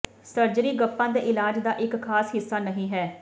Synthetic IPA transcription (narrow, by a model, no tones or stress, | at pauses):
səɾd͡ʒɾiːɡəpːãːd̪eːʔɪlaːd͡ʒd̪aːʔɪkkʰaːsɦɪsːaːnəɦĩːɦɛː